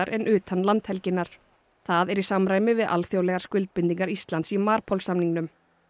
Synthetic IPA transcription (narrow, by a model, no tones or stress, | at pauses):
aɾʔɛnʔʏːt̪anːlant̪hɛlcɪnːaɾ̥ | θaðɛɾisamɾaːjmɪvɪðʔa̰lθjowlɛɣaɾ̥skʏlt̪̚pɪnt̪iŋkaɾist̪lant̪simaːɾpʰɔlsamniŋnʏm